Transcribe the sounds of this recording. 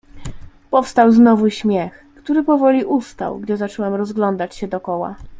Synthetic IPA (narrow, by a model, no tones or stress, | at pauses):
pɔfst̪awznɔvuɕmʲjɛx | kt̪uɾɘpɔvɔlʲiʔust̪a̰wɡd͡ʑɛzat͡ʂɔwɛmɾɔzɡlɔnd̪at͡ɕɕɛd̪ɔkɔwa̰